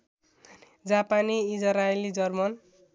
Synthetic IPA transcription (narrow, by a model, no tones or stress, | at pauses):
d͡zapaniːd͡zʌɾajlid͡zʌrmʌn